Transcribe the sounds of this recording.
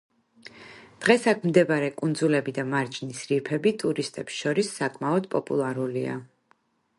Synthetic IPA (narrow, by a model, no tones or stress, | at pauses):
d̪̥ʁɛsakʰmd̪ɛbaɾɛkʼund̪zulɛbid̪amaɾd͡ʒnisɾiɾpʰɛbit̪ʼuɾist̪ʼɛpsʃɔɾisːakʼmaɔd̪̚pʼɔpʼṵlˠaɾulia̰